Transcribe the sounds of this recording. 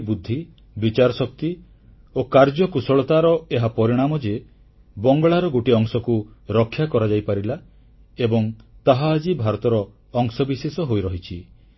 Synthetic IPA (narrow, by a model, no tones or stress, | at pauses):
bud̪ʱːi | bit͡ʃaɾɔsɔk̚t̪i | okaɾd͡ʒɔkusɔɭɔt̪aɾɔeɦapɔɾiɽ̃amɔd͡ʒe | bɔŋɡɔɭaɾɔɡoʈiɔŋsɔkuɾɔkʰːjakɔɾad͡ʒajpaɾila | ebɔŋt̪aɦaːd͡ʒibʱaɾɔt̪ɔɾɔː | ŋsɔbisesɔɦojɾɔɦit͡ʃʰi